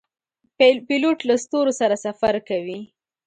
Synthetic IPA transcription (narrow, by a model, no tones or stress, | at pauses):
piloʈlast̪oɾosaɾasafaɾkawi